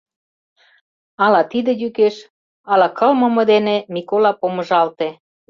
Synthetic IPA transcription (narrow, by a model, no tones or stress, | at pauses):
ɑlɑt̪id̪ĕjykeʃ | ɑlɑkɤlmɤ̆mɤ̆d̪enemikolɑpomə̆ʒɑlt̪e